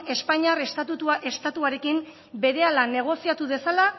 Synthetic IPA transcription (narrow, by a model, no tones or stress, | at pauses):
e̞spaɲarest̪at̪ut̪uaʔe̞st̪at̪uaɾe̞kim | be̞ɾe̞alane̞ɣ̞o̞siat̪uðe̞sala